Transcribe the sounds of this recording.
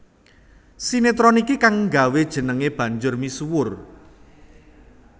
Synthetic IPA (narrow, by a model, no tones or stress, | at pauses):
sinet̪ɾɔnikikaŋŋɡa̤wed̥ʒ̥ə̤nəŋeb̥ä̤ɲd͡ʒʊrmisuwʊr